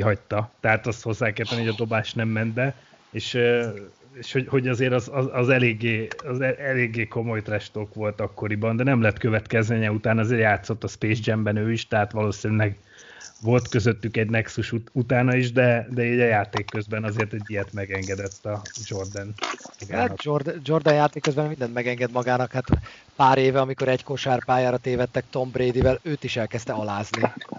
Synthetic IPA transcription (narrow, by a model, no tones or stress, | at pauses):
kiɦɒc̚t̪ɒt̪ɛɦaːt̪ɒst̪ho̞zːaːkɛtp̪ːɛniɦoɟɒd̪o̞baːʃt̪nɛmːɛnd̪bɛ | eːʃ | eːʃho̞ɟho̞ɟɒzeːɾɒzɒzɒzɛleːɡːeːɒzɛɛleːɡːeːko̞mo̞jt̪rɛʃt̪okʋo̞lt̪ɒkːo̞ɾibɒnd̪ɛnɛmlɛt̪køvɛt̪kɛzmeːɲɛut̪aːnɒzeːɾjaːt̪so̞t̪ːɒspeːd͡ʒd͡ʒɛmbɛnøːiʃt̪ɛɦat̪ʋɒloːsinylɛɡ | ʋo̞lt̪køzøt̪ːykɛɟnɛksuʃuut̪aːnɒiʒd̪ɛd̪ɛiːɟɒjaːt̪eːkːø̞zbɛnɒzeːrt̪ɛɟːijɛt̪mɛɡɛŋɡɛd̪ɛt̪ːɒd͡ʒo̞rd̪ɛnmɒɡaːnd͡ʒord̪d͡ʒord̪ɛnjaːt̪eːkːøzbɛmːmind̪ɛnmɛɡɛŋɡɛd̪mɒɡaːnɒkhat̪ | paːɾeːvɛɒmiko̞ɾɛɟkoʃaːrpaːjaːɾɒt̪eːvɛt̪ːɛk̚t̪o̞mbɾeːd̪ivɛløːt̪iʃɛlkɛst̪ɛɒlaːzni